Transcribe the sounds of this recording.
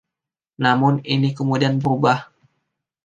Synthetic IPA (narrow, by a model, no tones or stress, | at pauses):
namʊninikəmudianbəɾubah